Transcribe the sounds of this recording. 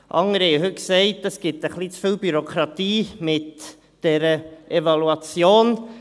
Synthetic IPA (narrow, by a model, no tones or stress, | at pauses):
ʔɑ̰ŋəɾhɛjəɦɵt̚ksɛɪtəsɡ̥ɪtəχlit͡sfiːlbyɾokʰɾɑt̪iːmɪt | d̥ɛɾəʔɛvɑluɑt͡sjoːn